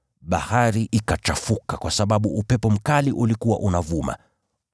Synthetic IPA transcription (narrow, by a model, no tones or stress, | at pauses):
ɓa̰haɾiʔikat͡ʃafukakwasaɓaɓuupɛpɔm̩kaliʔulikuwa̰ʔunavuma̰